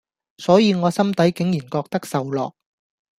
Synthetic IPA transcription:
sɔː˨˥jiː˨˧ŋɔː˨˧sɐ˥mt̪ɐ˨˥jkɪ˨˥ŋjiː˨˩nkɔː˧k̚t̪ɐ˥k̚sɐ˨wlɔ̰ː˨k̚

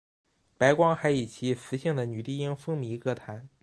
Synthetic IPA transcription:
pa˧˥ɪkwɑ˥ŋxa˧˥ɪi˨˩t͡ɕʰi˧˥sɹ̩˧˥ɕi˥˩ŋd̪ə˩ny˨˩t̪i˥˩˧i˥ŋfɤ˥ŋmi˧˥kɤ˥˩t̪ʰa˧˥n

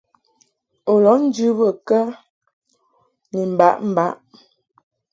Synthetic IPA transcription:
o˨lɔ˨˦n̩˦d͡ʒʉ˦bə˨kə˦ | ni˨m̩˨ba˨˦ʔm̩˨ba˨˦ʔ

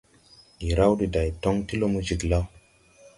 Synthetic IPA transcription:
i˨ɾa˦wdi˨da˨jto˦ŋti˦lo˦mu˦d͡ʒi˨ɡla˦w

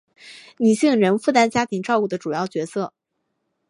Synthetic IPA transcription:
ni˨˩ɕi˥˩ŋɻə˧˥nfu˥˩t̪a˥nt͡ɕja˥t̪ʰi˧˥ŋʈ͡ʂɑ˥˧ʊku˥˩d̪ə˩ʈ͡ʂu˨˩jɑ˥˩ʊt͡ɕɥɛ˧˥sɤ˥˩

